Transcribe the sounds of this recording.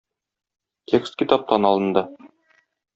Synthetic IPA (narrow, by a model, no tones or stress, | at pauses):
t̪ʲʰekst̪kʲit̪ɑp̚t̪ɑnɒlˠɤ̆nd̪ɤ